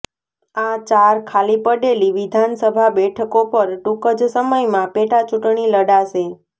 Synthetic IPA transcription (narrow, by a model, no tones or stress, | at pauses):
at͡ʃaɾkʰalipəɖeliʋid̪ʱansəbʱabɛʈʰəkopəɾʈukəd͡ʒsəməjmãpeʈat͡ʃuʈɳiləɽaʃe